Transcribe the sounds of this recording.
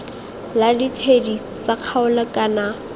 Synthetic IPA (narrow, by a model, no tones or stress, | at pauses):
laditʰedi | t͡saq͡χʰaʊlakana